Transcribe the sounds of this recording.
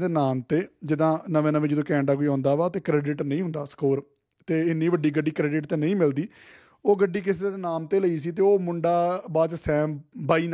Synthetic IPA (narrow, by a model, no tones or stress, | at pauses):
d̪eːnaːmt̪eːd͡ʒɪd̪ãːnəʋẽːnəʋẽːd͡ʒəd̪õːkɛ̃ːɳɖaːkoːiːɔ̃ːnd̪aːʋaːt̪eːkɾeːɖɪʈnəĩːɦʊ̃nd̪aːskoːɾ | t̪eːɪnːiːʋəɖiːɡəɖiːkɾɛːɖɪʈt̪eːnəĩːmɪld̪iː | oːɡəɖːiːkɪseːd̪eːnaːmt̪eːləiːsiːt̪eːoːmʊɳɖaːbaːt͡ʃsɛ̃ːmbaːiːn